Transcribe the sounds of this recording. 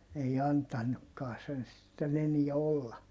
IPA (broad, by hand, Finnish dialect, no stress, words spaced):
ei ɑntɑnukːɑː sen sitːen eniɛ olːɑ